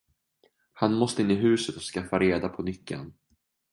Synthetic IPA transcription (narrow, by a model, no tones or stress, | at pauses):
hanmɔst̪əɪnːɪɦʉ̟ːsət̪ɔskafːaɾeːd̪apʰɔnʏkːə̰n